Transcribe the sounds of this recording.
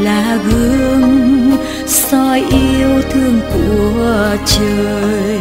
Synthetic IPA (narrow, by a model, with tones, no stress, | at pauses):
laː˨˩ɣɨ˧˦ŋ | sɔ˧jʔi˧əwt̪ʰɨ˧əŋkṵ˧˩t͡ɕəː˨˩j